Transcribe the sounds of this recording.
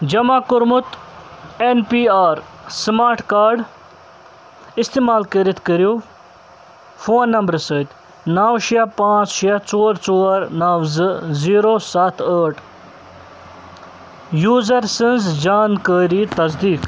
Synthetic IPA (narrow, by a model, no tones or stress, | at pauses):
d͡ʒɐmaːkʊɾmʊt̪ | enpiːaːɾ | smaːɾʈkaːɾɖ | ist̪emaːlkəɾit̪ʰkəɾjoː | fʰoːnːɐmbɾsəːt̪ | naːwʃiapãːt͡sʃijat͡soːɾt͡soːɾnɐʋzɨziːɾoːsɐt̪ʰəːʈʰ | juːzɐɾsənzd͡ʒaːnkəːɾit̪ɐzd̪iːk